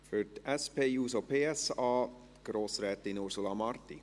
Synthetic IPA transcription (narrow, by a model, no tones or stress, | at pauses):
fœt̪ɛspeːuːsopʰeːɛsɑː | ɡ̥ɾoːsɾɛt̪inuɾsulɑmɑɾt̪ɪ